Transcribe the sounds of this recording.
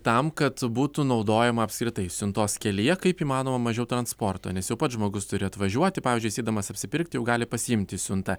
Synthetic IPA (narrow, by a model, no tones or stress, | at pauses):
t̪ɐmkɐt̪buːt̪unɒʊd̪oːjɛmɐɐpʲskɾʲɪt̪ɐɪsʲʊnt̪oːskʲɛlʲiɛkɐɪpiːmɑːnoːmɐmɐʒʲɛʊt̪ɾɐnspoːrt̪o̰ːnʲɛsjɛʊpɐt̪ʒmoːɡʊst̪ʊɾʲɪɐt̪ʋɐʒʲuɔt̪ʲɪpɑːʋʲiːzʲd͡ʒʲʊɪsʲɛɪd̪ɐmɐsɐpʲsʲɪpʲɪɾʲkt̪ʲɪjɛʊɡɑːlʲɪpɐsʲɪɪmʲt̪ʲɪsʲʊnt̪ɐ